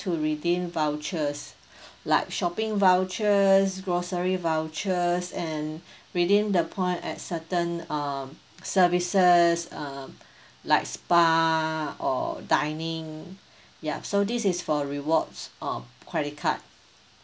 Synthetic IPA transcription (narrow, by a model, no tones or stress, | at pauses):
tʰuɹidẽnvaʊt͡ʃəs | laɪk̚ʃɔpĩŋvaʊt͡ʃəsɡɹosəɹivaʊt͡ʃəsɛ̃nɹidĩndəpʰɔ̃ɪ̃ntɛ̰t̚sətə̃nʌm | səvisəsʌ̃m | laɪkspa | ɔ̰dãɪnĩŋ | ja̰sodisisfɔɹiwɔtsʔakʰwɛdikʰa̰t̚